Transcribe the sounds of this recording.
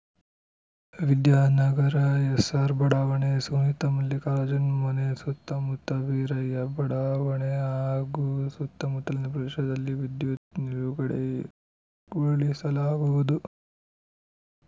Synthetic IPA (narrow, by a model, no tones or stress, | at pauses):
ʋid̪jaːnɐɡɐɾɐesaɾbɐɽaːʋɐɳesunit̪ɐmɐlːikaːɾɐd͡ʒɐnmɐnesut̪ːɐmut̪ːɐʋiːɾɐjɐbɐɽaːʋɐɳeaːɡusut̪ːɐmut̪ːɐlind̪ɐpɾɐeʃɐd̪ɐlːiʋid̪jut̪niɾuɡɐɽe | oɭisɐlaːɡuʋud̪u